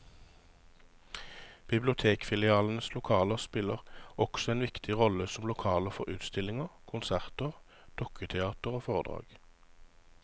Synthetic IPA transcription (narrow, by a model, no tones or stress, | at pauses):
b̥ɪblʊt̪ʰeːkfɪlɪɑːln̩əslʊkʰɑːləʁspɪləʁɔksɔeːnʋɪkt̪ʰɪʁɔləsɔmlʊkʰɑːləʁfɔʁʉːt̪st̪ɪlɪŋəʁkʰʊnsæʁt̪əʁ | d̪̥ɔkʰət̪ʰɛɑːt̪əʁoːfɔʁd̪ʁɑ̰ːɡ̥